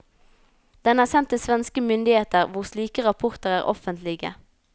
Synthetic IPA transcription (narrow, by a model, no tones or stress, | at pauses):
d̪̥ɛnæːʁsɛnt̪ːɪlsʋɛnskəmʏnd̪ɪheːt̪əʁʋʊʁsliːkəʁɑpʰʊʁt̪əʁæːʁɔ̰fənt̪lɪɡə̰